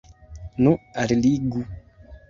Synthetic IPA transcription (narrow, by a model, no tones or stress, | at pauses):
nuaɾiliɡu